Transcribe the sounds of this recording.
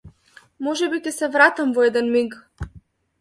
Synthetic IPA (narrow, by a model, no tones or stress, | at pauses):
mɔʒɛbikʲɛsɛvɾat̪amvɔɛd̪ɛnmiɡ